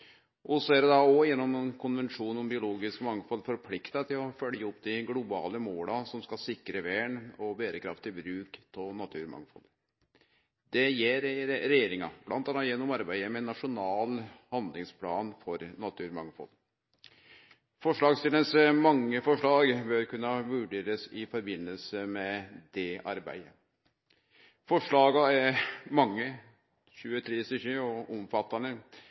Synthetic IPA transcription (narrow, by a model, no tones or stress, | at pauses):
ʔɔsɔæɾɛd̪ɑɔjɛnːɔmɛnkʰʊnʋɛnʂuːnɔmbɪʊloːɡɪskmɑŋfɔlfɔɾpʰlɪkt̪ɑt̪ʰɪlɔfœljəɔpd̪ɪɡlʊbɑ̰ːləmoːlɑsɔmskɑsɪkɾəʋæːɳɔbeːɾəkʰɾɑ̰ft̪ɪbɾʉːkt̪ʰɔnɑt̪ʰʉːɾmɑ̰ŋfɔ̰l | d̪ɛjeːɾːɛjeːɾɪŋɑ̰b̥lʔɑ̰nt̪ɑnːɑjɛnːɔmɑɾbæɪəmɛnːɑʂʊnɑːlhɑnd̪lɪŋspʰlɑ̰ːnfɔɾnɑt̪ʰʉːɾmɑŋfɔ̰l | fɔʂɭɑːɡst̪ɪlənsmɑŋːəfɔʂɭɑːɡbøɾkʉnːɑʋʉɖeːɾəsɪfɔɾbɪnːəlsəmɛd̪ɛʔɑ̰ɾbæ̰ɪə | fɔʂɭɑːɡɑɛmɑŋːə | ɕʉːət̪ʰɾeːsəçʉːɔɔmfɑt̪ːɑnə